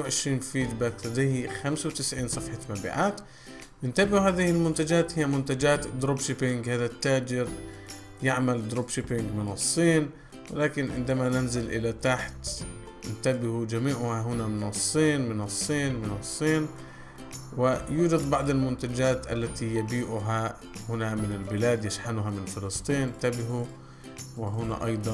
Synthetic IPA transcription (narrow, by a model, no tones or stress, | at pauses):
wʕɪʃɾiːnfiːd͡ʒ̪bat̪ad̪ihixamsawt̪ɪsʕiːnsˤɑfħɑmabḭːʕaːt̪ | ɪnt̪abɪhuhaːðɪhɪlmʊnt̪ad͡ʒaːt̪hɪjːamʊnt̪ad͡ʒaːt̪d̪ɾuːbʃɪpɪŋɡhaːðat̪ːaːd͡ʒɪɾ | jɪʕmald̪ɾuːbʃɪpɪŋɡmɪnɨsˤːiːn | wɪ̰laːkɪnʕɪ̰nd̪amanɪnzɪlʔɪ̰lat̪aħt̪ | nt̪abɪhud͡ʒamiːʕʊhaɦʊnamɪnɨsˤːiːnmɪnɨsˤːiːnmɪnɨsˤːiːn | wɪjuːd͡ʒad̪bɑʕd̪ˤɪlmʊnt̪ad͡ʒaːt̪ʔa̰lːat̪ijabiːʔʊɦa | hʊnamɪnɪlbɪlaːd̪jaʃħanʊɦamɪnfɪlɨsˤt̪ˤiːnɪnt̪abɪɦu | wɪɦʊna̰ʔɑ̰jd̪ˤɑ